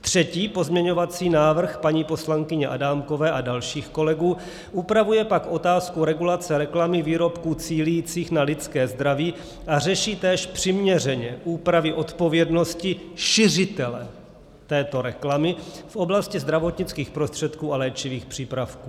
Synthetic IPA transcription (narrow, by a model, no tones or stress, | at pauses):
t̪r̝̥ɛciːpo̞zmɲɛɲo̞vat͡siːnaːvr̩xpaɲiːpo̞slaŋkɪɲɛʔadaːmko̞vɛːʔadalʃiːxko̞lɛɡuː | ʔupɾavujɛpakʔo̞t̪aːskuɾɛɡulat͡sɛɾɛklamɪviːɾo̞pkuːt͡siːlijiːt͡siːxnalɪt͡skɛːzd̪ɾaviː | ʔar̝ɛʃiːt̪ɛːʃpr̝̥ɪmɲɛrɛɲɛʔuːpɾavɪʔo̞t̪po̞vjɛdno̞scɪʃɪrɪt̪ɛlɛ | t̪ɛːt̪o̞ɾɛklamɪfʔo̞blascɪzd̪ɾavo̞t̪ɲɪt͡skiːxpɾo̞st̪r̝̥ɛt̪kuːalɛːt͡ʃɪviːxpr̝̥iːpɾafkuː